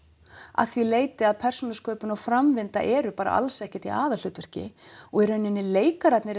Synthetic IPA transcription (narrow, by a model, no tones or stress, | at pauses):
a̰θvileːjt̪ɪaðpʰɛr̥sunaskʰœːpʏnawfɾamvɪnt̪a̰ʔɛːɾʏpaːɾa̰ʔa̰lsɛhcɛ̥t̪iaːðal̥ʏt̪ʏɾ̥cɪ̰ɔɣɛɾʏʏnːɪnːɪleːjkaɾat̪nɪɾ